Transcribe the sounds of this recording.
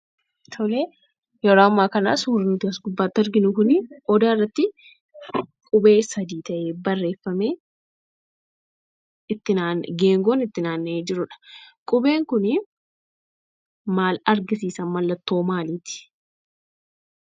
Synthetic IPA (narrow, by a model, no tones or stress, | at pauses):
t̪ʰɔle | jɛɾoːɐmːaːkɐna̰ːsuːɾɪnʊt̪ɪɐsɡʊbːaːt̪ːɐɾɡɪnʊkʊnɪɔd̪aːɪrːɐt̪ːɪ | kʼʊbe̞ːsɐd̪iːt̪ɐʔeːbɐrːe̞ːfːɐmeː | ɪt̪ːɪnaːnɡeːŋɡoːnɪt̪ːɪnaːnːed͡ʒɪɾʊᶑɐ̥kʼʊbe̞ːŋkʊnɪ | maːlɐɾɡɪsiːsɐmɐlːɐt̪ːo̞ːmaːliːt̪ɪ̥